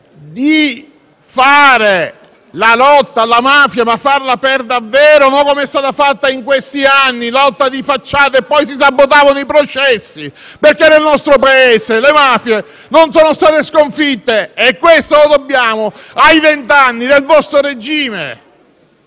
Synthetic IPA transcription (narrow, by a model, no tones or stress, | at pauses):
d̪i | faːɾe | lalɔt̪ːalamaːfjamafːarlaperd̪avːeːɾonɔŋkːomeɛst̪aːt̪afat̪ːaiŋkwest̪ianːilɔt̪ːad̪ifat͡ʃːaːt̪eepːɔjs̬isabːot̪̬aːvanoipɾot͡ʃɛsːi | perkenːelnɔst̪ɾopaeːselemaːfje | nonsoːnost̪aːt̪eskoɱfit̪ːeɛkːwest̪olod̪obːjaːmoajvent̪anːid̪elvɔst̪ɾoɾed͡ʒiːmḛ